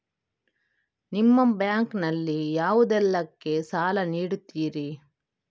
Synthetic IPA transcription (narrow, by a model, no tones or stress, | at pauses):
nimːɐmbjaːŋknɐlːijaːʋud̪ɛlːɐkːe̞saːlɐniːɽut̪ːiːɾi